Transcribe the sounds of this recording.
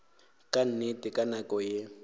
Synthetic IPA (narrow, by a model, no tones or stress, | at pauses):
kʼan̩netʼɪkʼanakʼɔje